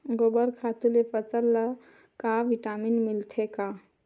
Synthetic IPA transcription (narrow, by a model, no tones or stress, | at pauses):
ɡobəɾkʰat̪ulepət͡səlːə | kaʋiʈaminmilt̪ʰeka